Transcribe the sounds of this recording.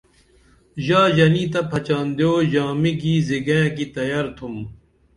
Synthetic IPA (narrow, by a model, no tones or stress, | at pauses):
ʑaːd͡ʑɐniːt̪ɐpʰɐt͡ɕaːnd̪joːʑaːmiɡiːziɡẽkit̪ɐjaɾt̪ʰum